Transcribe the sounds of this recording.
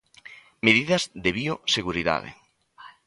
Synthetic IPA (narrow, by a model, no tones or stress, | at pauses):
meðiðɐzðeβioseɣuɾiða̰ðḛ